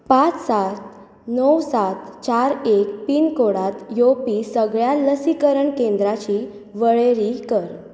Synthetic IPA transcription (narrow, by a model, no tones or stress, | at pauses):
pat͡ssat̪ | nɔwsat̪t͡ɕaɾekpiːnkoɽat̪jopiːsəɡɭjaləsikəɾəɳkẽnd̪ɾat͡ɕiː | ʋəɭeɾikəɾ